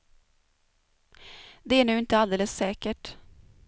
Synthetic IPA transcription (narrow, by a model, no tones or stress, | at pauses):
d̪ɛæɳʉ̟ːɪnt̪əald̪eːləsːɛːkəʈ